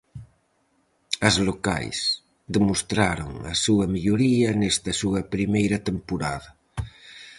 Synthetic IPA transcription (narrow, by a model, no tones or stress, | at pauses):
ɐzloka̰js | d̪emost̪ɾaɾo̰ŋɐ̰suɐmiʎoɾiɐnest̪ɐsuɐpɾimejɾɐt̪empoɾaðɐ